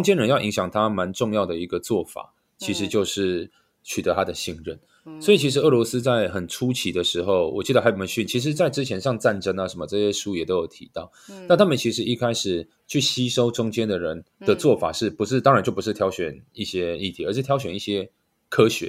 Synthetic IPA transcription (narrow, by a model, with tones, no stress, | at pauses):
ʊ˥ŋt͡ɕjɛ˥nɻə˧˦njɑ˥˩ʊʔi˧˥ŋɕjɑ˨˩ŋt̪ʰa˦ma˧˦nʈ͡ʂʊ˥˧ŋjɑ˥˩ʊd̪ə˩i˧˥ɡə˧t͡swɔ˥˩fa̰˨˩ | t͡ɕʰi˧˥ʂ̬ɻ̩˧˥t͡ɕjo˥˧ʊʂɻ̩˥˩ | t͡ɕʰy˨˩t̪ə˧˦t̪ʰa˥d̪ə˨ɕi˥˧ŋɻə˥˩n | swɔ˧˥i˨˩t͡ɕʰi˧˥ʂ̬ɻ̩˧˥ɤ˥˩lwɔ˧˥sɹ̩˥t͡sa˥˩ɪxə˨˩nʈ͡ʂʰu˦t͡ɕʰi˧˥d̪ə˨ʂɻ̩˧˥xo˥˧ʊwɔ̰˨˩t͡ɕi˧˥d̪ə˨˩a˧˥ɪpə˨˩mə˧nɕy˥˩nt͡ɕʰi˧˥ʂ̬ɻ̩˧t͡sa˥ɪʈ͡ʂɻ̩˥t͡ɕʰjɛ˧˥nʂɑ˥˧ŋt͡sa˥˩nʈ͡ʂə˥ŋa˨ʂə˧˥nmə˧ʈ͡ʂɤ˥˧ɕjɛ˥ʂu˥jɛ˨˩t̪o˥jo˨˩ʊt̪ʰḭ˧˥t̪ɑ˥˩ʊna˥˩nt̪ʰa˥mə˨nt͡ɕʰi˧˥ʂɻ̩˧˦i˥˧kʰa˥ɪʂɻ̩˨˩ | t͡ɕʰy˥˩ɕi˥ʂo˥ʊʈ͡ʂʊ˥ŋt͡ɕjɛ˥nd̪ə˨ɻə˧˦nd̪̥ə˨t͡swɔ˥˩fa̰˨˩ʂɻ̩˥˩pu˧˥ʂɻ̩˥˩t̪ɑ˥ŋɻa˧˦nt͡ɕjo˥˩ʊpu˧˥ʂ̩˥˩t̪ʰjɑ˧˥ʊɕɥɛ˨˩ni˥˩ɕjɛ˥i˥˩t̪ʰi˧˥ə˧˥ʂɻ̩˥˩t̪ʰjɑ˧˥ʊɕɥɛ˨˩ni˥˩ɕjɛ˥ | kʰɤ˥ɕɥɛ̰˧˦